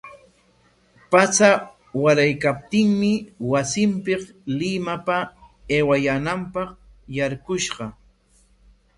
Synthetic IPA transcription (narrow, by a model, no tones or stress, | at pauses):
pat͡sa | waɾajkap̚t̪ɪŋmɪwasɪmpɪqlɪmapaeːwajaːnampɑq | jaɾkʊʃɢɑ